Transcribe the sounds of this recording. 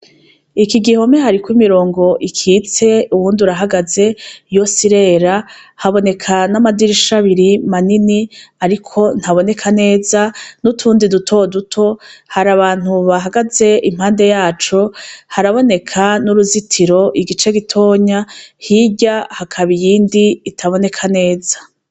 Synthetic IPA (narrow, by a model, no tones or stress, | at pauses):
ikiɡiho̞meɦaɾikwimiɾo̞ːŋɡo̞ʔikʰit͡se̞uβuːnduɾaɦaɡaze̞jo̞siɾe̞ːɾahaβo̞ne̞kʰanamadiɾiʃaβiɾimaniniaɾikʰo̞n̥haβo̞ne̞kʰane̞ːzanutʰuːndidutʰo̞dutʰo̞haɾaβaːn̥huβaɦaɡaze̞im̥haːnde̞jaːt͡ʃohaɾaβo̞ne̞kʰanuɾuzitʰiɾo̞ʔiɡit͡ʃe̞ɡitʰo̞ːɲahiɟahakʰaβijiːndiːtʰaβo̞ne̞kʰane̞ːzḁ